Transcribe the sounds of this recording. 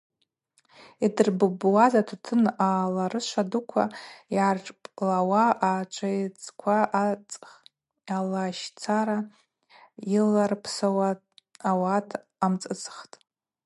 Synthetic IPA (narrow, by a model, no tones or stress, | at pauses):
idɨrbɨbwazatʰatʰɨnalaɾɨʃʷadukʷʰa̰jarʈ͡ʂʼpʼlawaʔat͡ʃʷʼʰajt͡sʼkʷʰaat͡sʼ | alaʃt͡sʰaɾa | ilarpʰsawa | awatʰ | amt͡sʼɨt͡sʼχtʼ